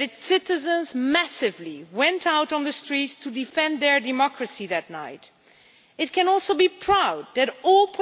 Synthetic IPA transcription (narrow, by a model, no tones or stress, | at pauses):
ɾɨtsɪɾɨzə̃nzmæsɨvliwɛ̃ntʰaʊɾn̩ðɨstɹ̥itstʰɨdɨfɛ̃nðə˞dɨmɑkɹɨsiðɨtⁿna̰ɪɾ | ɨt̚kɨ̃nɔlˠsoʊbipʰɹ̥aʊd̪̚ðɨɾɔlˠpʰ